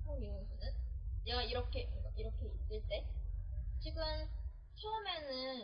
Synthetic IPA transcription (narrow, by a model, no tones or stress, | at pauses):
oobunɯnjeɡaiɾʌkʰe̞ɯɡaʔiɾʌkʰe̞is͈ɯɭt͈e̞ | t͡ɕiɡɯm | t͡ɕʰeume̞nɯn